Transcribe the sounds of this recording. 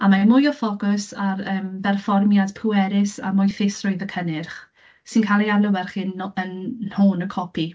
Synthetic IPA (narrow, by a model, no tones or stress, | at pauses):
amamʊjɔfɔɡʊsarəːmbɛrfɔrmjadpʰuwɛɾɪsa̰mʊjθɪsrʊjðəkʰənɪrχ | sɪnkʰalˠialˠəwɛrχɪnənhoːnəkʰɔpʰi